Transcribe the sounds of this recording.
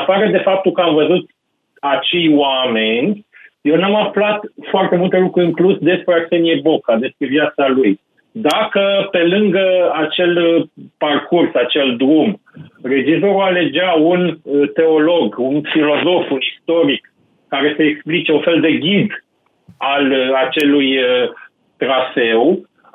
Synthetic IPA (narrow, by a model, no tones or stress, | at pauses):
apaɾəd̪e̞fap̚t̪ukəamvəzut̪ | at͡ʃe̞jwame̞nʲ | jewnamaflat̪foart̪e̞mult̪e̞lukɾuɾɨŋklusd̪e̞spɾeat͡ʃeniebo̞kad̪e̞spɾe̞vjat̪saluj | d̪akəpe̞lɨŋɡəat͡ʃe̞lparkursat͡ʃe̞ld̪ɾumre̞d͡ʒizo̞ɾuale̞d͡ʒaunt̪e̞o̞lo̞ɡunfilo̞zo̞funist̪o̞ɾikː | aɾe̞seːksplit͡ʃe̞unfe̞ld̪e̞ɡʲid̪ | alat͡ʃe̞lujə | t̪ɾafe̞w